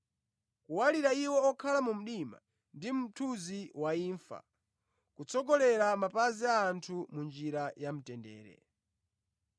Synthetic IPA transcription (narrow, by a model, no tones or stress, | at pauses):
kuwaliɾaiwɔːkʰalamum̩ɗima̰ | ndim̩tʰuziwaiːɱfa̰ | kut͡sʰɔɡɔlɛɾamapaziaːntʰumund͡ʒiɾajam̩tɛndɛ̰ːɾɛ̰